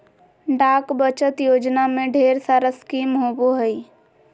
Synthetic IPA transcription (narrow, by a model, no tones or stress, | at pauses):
ɖakbət͡ʃət̪jod͡ʒnamẽɖʱeɾsaɾəskimɦoboɦəj